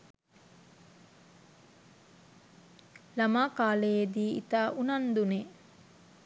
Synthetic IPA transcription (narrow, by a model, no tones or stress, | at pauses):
lamaːkaːlejed̪iːḭt̪aːʔunand̪une